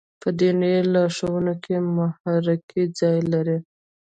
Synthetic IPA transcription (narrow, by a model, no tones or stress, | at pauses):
pəd̪enelɑʂawənokʰemʊhɑɾɪkʰid͡zɑjlaɾi